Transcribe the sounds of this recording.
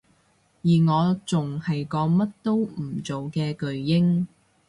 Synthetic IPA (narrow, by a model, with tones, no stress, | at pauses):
jiː˨˩ŋɔː˨˧t͡sʊ˨ŋhɐ˨jkɔː˨˧mɐ˥t̚t̪o˥w̩˨˩t͡so˨wkɛː˧kɵ˨ɥjɪ˥ŋ